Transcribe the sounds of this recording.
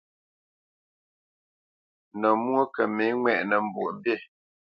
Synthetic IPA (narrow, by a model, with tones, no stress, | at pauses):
nɔ˨mwo˦kə˨mi˨˦ŋwɛ˨ʔnə˨m̩˨bu˨ʔbe˦˨